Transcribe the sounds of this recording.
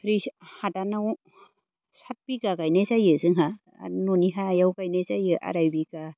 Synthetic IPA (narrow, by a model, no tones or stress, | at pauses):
pʰɾihadanaw | sat̚biɡaɡajnazajɯzɯŋɦa̰ | nɔniɦaːjawɡajnazajɯʔa̰ɾajbiɡa